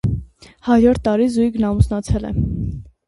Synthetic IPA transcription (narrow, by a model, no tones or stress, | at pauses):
hɑɾjɔɾt̪ːɑɾizujɡnɑmusnɑt͡sʰɛlɛ̰